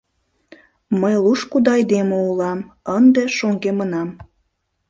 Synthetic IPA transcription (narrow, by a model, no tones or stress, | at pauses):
məjluʃkud̪ɑɑjd̪eməulɑmənd̪eʃoŋɡemənɑm